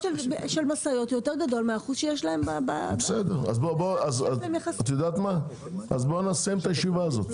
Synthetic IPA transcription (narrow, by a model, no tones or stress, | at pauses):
elbʃelmasajo̞tjoteʁɡado̞lmeaːχuzʃejeʃlahe̞mbaba̰besed̪eʁa̰zboboazamjaχast̪jod̪aːt̪ma | azbonasemt̪ajeʃivaːzo̞t̪